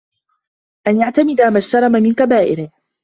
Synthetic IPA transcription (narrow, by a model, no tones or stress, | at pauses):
ʔanjaʕt̪amɪd̪amad͡ʒt̪ɑɾˤɑmamɪnkabaːʔɪɾɪh